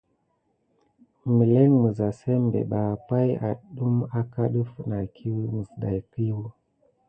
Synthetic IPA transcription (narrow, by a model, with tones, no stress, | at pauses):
mi˨lɛ˦ŋmu˨za˨sɛ˦mbɛ̰˨ɓa˨pa˦i˦ʔa˨ɗu˦ma˦ka˦ɗu˦fu˦na˨kʰi˦wi˦mu˨zɗa˨i˨ki˦wu˦